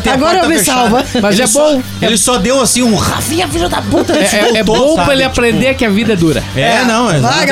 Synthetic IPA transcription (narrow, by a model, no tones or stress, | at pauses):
t̪aɡɔɾɐewvisawvɐmɐzɛbõʊ | elɪsɔd̪ewasĩũʁa̰fĩɲɐviɾɐd̪aput̪ɐɛɛɛbb̃õw̃pɾɐelɪapɾẽnd̪eɾkɪɐvid̪ɐɛd̪uɾɐ̰ɛnɐ̃w̃ɛvaɡ